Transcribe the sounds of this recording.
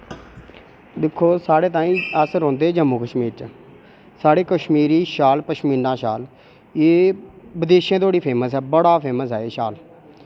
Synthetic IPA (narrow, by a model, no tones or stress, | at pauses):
d̪ɪkʰːoːsaːɽeːt̪̬ãːĩːəsɾõːnd̪eːd͡ʒəmːuːkəʃmiːɾt͡ʃː | saːɽeːkəʃmiːɾiːʃaːlpəʃmiːnãːʃaːl | eːbəd̪eːʃãːt̪oːɽiːpʰeːməsɛːbəɽaːpʰeːməsɛːeːʃaːl